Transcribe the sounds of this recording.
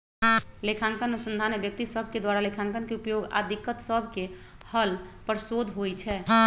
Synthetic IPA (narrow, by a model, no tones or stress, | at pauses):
lekʰãːŋkənənusə̃nd̪ʱaːnːebjək̚t̪isəbʱked̪waɾalekʰãŋkənkeupjoːɡa̰d̪ʱikət̪səbʱke | həlpəɾsod̪ʱɦojt͡ʃʰɛː